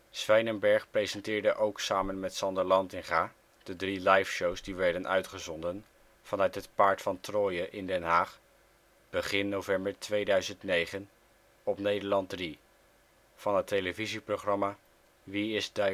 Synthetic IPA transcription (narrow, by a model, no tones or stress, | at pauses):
sʋɛjnənbɛɹχprejzəntɪːɹdəʔowksaːmənmɛtsɑndəɹlɑntɪŋχaː | d̥ədrilɑjfʃowzdiʋɛɹdənʔœ̰ɥtχəzɔndən | v̥ɑnœɥtɦətpaːɹtfɑntrɔːjəʔɪndɛnɦaːχ | b̥əχɪnːowvɛmbəɹtʋejdœɥzəntnejχən | ɔpnejdəɹlɑnt̚dri | v̥ɑnɦətejləviziproχrɑmaː | ʋiɪzd